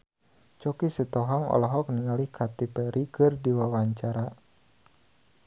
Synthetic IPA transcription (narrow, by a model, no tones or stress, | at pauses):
t͡ʃɔkisɛt̪ɔɦɔŋɔ̰lɔɦɔk̚niŋalihkʰat̪ipɛɾʔikɨrdiwawaɲt͡ʃaɾa